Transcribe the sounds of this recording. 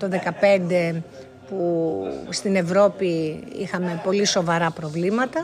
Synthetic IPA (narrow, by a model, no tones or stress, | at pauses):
t̪o̞ðe̞kɐpe̞nd̪e̞ | pust̪ine̞vɾo̞piḭxɐme̞po̞liso̞vɐɾɐpɾo̞vlimɐt̪ɐ